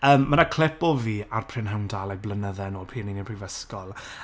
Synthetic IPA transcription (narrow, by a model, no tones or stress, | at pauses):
əːmːənakʰl̥ɪpɔviːarpʰr̥ɪnɦɛwndalˠɛɡ̚blənəðɛnoːlpʰiːninipʰrivəskɔlˠ